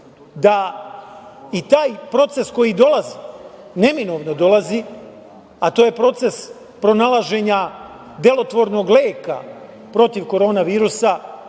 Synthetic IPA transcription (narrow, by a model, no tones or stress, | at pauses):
d̪a | it̪aːjpɾo̞t̪se̞sko̞jid̪o̞lˠazine̞mino̞ʋnod̪o̞lˠazi | at̪o̞ːje̞pɾo̞t̪se̞s | pɾo̞nalˠaʒe̞ɲa | d̪e̞lˠo̞t̪ʋo̞ɾno̞ɡleːka̰ | pɾo̞t̪iʋko̞ɾo̞ːnaʋiːɾusa